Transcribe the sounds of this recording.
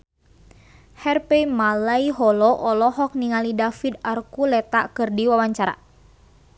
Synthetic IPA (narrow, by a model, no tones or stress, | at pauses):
hɛrpɛmalaiɦɔlɔʔɔlɔɦɔk̚niŋalidafid̪arkulɛt̪akɨrdiwawaɲt͡ʃaɾa̰